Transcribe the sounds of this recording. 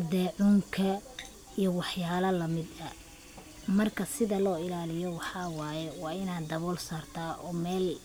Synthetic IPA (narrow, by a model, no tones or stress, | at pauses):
d̪ɛːʕʊŋkʰɐ | ijɞwɑħjaːlɐlɐmɪd̪ɐ | mɐrkʰɐsɪðɐlɔːɪlaːlɪjɔwɑħɑːwɑːjɛwɑːɪnaːd̪d̪ɐβɔːlsaːrt̪ʰaːʔɔːmɛːl